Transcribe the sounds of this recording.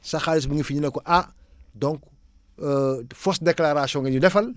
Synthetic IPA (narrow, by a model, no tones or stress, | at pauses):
sɐxalis̬bəŋəfiɲinɐkɔʔadɔŋkː | fɔsdeklaɾasjɔ̃ŋɡɐɲudɛfɐl